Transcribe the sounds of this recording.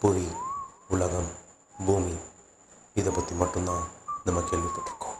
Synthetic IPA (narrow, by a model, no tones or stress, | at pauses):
puʋiuɭɐɣɐm | bʱuːmi | iðɐpɐt̪ːimɐʈːunːaːnɐmːɐkːelʋikːɐʈːɐ̥kːu̥